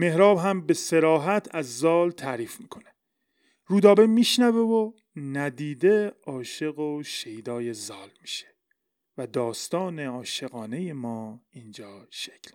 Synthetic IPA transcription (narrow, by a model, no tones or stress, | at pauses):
me̞hɾɒːbɦæmbe̞se̞ɾɒːɦæt̪ʰæzːɒːlt̪ʰæːɾiːfmiːkʰo̞ne | ɾuːd̪ɒːbe̞miːʃnævevo | næd̪iːd̪e̞ɒːʃe̞ɣoʃejd̪ɒːje̞zɒːlmiːʃe̥ | væd̪ɒːst̪ɒːne̞ɒːʃeɣɒːne̞jemɒːiːnd͡ʒɒːʃecʰl